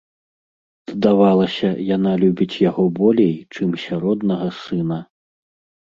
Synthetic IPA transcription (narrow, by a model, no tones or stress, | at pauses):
zd̪avalˠɐsʲɐjanalʲubʲit͡sʲjaɣɔbɔlʲejt͡ʂɨmsʲaɾɔd̪nɐɣɐsɨnɐ